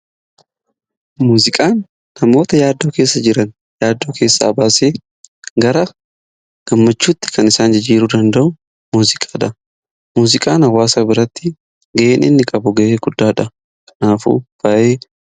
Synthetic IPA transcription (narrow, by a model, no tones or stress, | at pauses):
muːzɪkʼaːnː | ɐmo̞ːt̪ɐjaːd̪ːo̞ːke̞ːsːɐd͡ʒɪɾɐn | jaːd̪ːo̞ːke̞ːsːa̰ːbaːseː | ɡɐɾɐ | ɡ̥ɐmːɐt͡ʃːuːt̪ːɪ̥kɐnɪsaːnd͡ʒɪd͡ʒiːɾuːd̪ɐnd̪ɐʔʊ | muːzɪkʼḁːᶑɐ | muːzɪkʼaːnɐwːaːsaːbɪɾɐt̪ːɪ | ɡɐʔeːnʔɪ̰nːɪkʼɐbʊɡɐʔeːɡʊd̪ːaːᶑɐ | kʼɐ̥naːfṵːb̥ɐʔeː